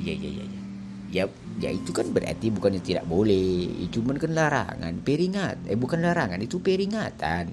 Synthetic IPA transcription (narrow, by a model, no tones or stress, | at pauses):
ja̰ja̰ja̰ja | ja | ja̰it̪ukanbəra̰rt̪ibukanɲat̪ida̰ʔ̚bolɛhḭt͡ʃumankanlaɾa̰ŋa̰npeɾiŋat̪ɛbukanlaɾaŋanit̪upeɾiŋat̪a̰n